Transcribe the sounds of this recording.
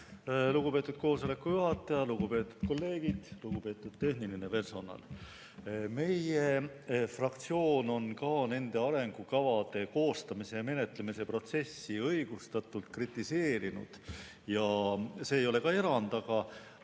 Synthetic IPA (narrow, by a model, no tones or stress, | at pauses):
luɡ̥upe̞t̪ːud̪̥̚ko̞ːso̞le̞kːˑujuɦɑt̪ːˑɑjɑluɡupe̞ːt̪ːˑu̥d̪̥ko̞lːe̞ːɡ̥id̪̥luɡupe̞ːt̪ːˑud̪̥t̪e̞hniline̞pe̞rso̞nɑ̰l | me̞je̞ | frɑkt̪sio̞ːno̞nkɑːne̞nd̪̥e̞ɑɾe̞ŋɡ̥ukɑvɑd̪̥e̞ko̞ːst̪ɑmise̞me̞ne̞t̪ˑlemise̞pro̞t̪se̞sːiɤjɡ̥ust̪ɑt̪ˑult̪̚krit̪ːˑise̞ːɾinṵd̪̥ | jɑse̞ːjo̞le̞kɑe̞ɾɑnd̪ɑɡɑ